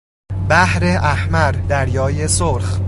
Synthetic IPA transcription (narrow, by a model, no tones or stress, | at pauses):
bæhɾeʔæhmæɾd̪æɾjɒːje̞soɾx